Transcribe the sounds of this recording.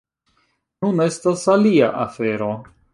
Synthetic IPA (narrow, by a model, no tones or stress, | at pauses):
nune̞stasaliaʔafeɾo̞